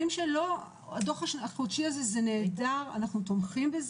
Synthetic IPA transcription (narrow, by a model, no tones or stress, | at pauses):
imʃelo̞ | ad̪o̞χaʃaχutʃiazezene̞ːdaʁa̰naχnut̪omχimbez